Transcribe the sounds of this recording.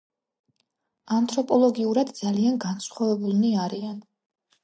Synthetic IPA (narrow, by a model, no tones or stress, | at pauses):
ant̪ʰʼɾɔpʼɔlˠɔɡiuɾad̪d̪zalianɡansχwavɛbulˠniaɾian